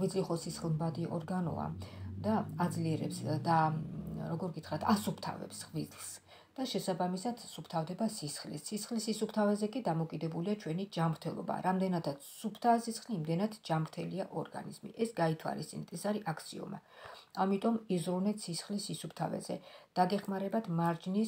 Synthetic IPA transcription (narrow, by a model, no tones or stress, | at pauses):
χvid̪zliχɔsisχlˠmbad̪iʔɔɾɡanɔ̰a̰d̪aad̪zliɛɾɛpsd̪aɾɔɡɔɾɡit̪ʰχɾat̪ʰasupʰt̪ʰa̰vɛ̰psχvizlˠs | d̪̥aʃɛsabamisad̪̥supʰt̪ʰavd̪ɛbasisχlḭsːisχlisisup̚ʰt̪ʰavɛzɛkʼid̪amɔkʼid̪ɛbuliat͡ʃʰwɛnid͡ʒamɾt̪ʰɛlˠɔ̰ba̰ɾamd̪ɛnad̪ʰat̪supʰt̪ʰaɛsisχliːmd̪ɛnad̪d͡ʒamɾt̪ʰɛliaʔɔɾɡa̰nḭzmḭʔɛsɡait̪ʰwa̰list̪sʼinɛt̪ʰɛsaɾiʔakʰt̪sʰiɔ̰ma̰amit̪ʼɔmizɾunɛt̪sisχlisisupʰt̪ʰa̰vɛ̰zɛ̰d̪̥aɡɛχmaɾɛbat̪ʰmaɾd͡ʒnis